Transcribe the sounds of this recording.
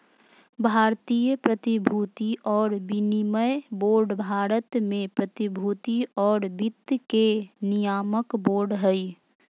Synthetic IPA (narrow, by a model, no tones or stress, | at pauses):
bʱaːɾt̪ijəpɾət̪ibʱuːt̪iʔɔːɾbɪniməjboːɾɖbʱaːɾət̪mẽpɾət̪ibʱuːt̪iɔːɾbɪd̪kenijaːməkboːɾɖɦɛi